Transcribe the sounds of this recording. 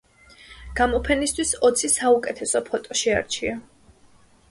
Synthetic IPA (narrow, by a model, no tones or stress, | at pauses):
ɡ̥amɔpʰɛnist̪ʰwisɔt̪sʰisaukʼɛt̪ʰɛsɔpʰɔt̪ʼɔʃɛa̰ɾt͡ʃʰia